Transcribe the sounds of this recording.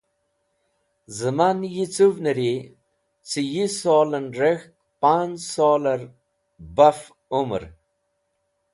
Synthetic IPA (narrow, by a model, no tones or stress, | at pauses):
zəmanjit͡suvnəɾi | t͡sijisoːlənɾext̪̚ | pansoːləɾ | baf | umɾ